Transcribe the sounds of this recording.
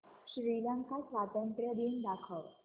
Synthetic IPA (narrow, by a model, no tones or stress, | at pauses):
ɕɾiləŋkasʋat̪ənt̪ɾjəd̪ind̪akʰəʋ